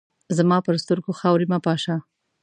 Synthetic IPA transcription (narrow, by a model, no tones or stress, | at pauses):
zamɑpəɾst̪əɾɡoxɑwɾimapɑʃɑ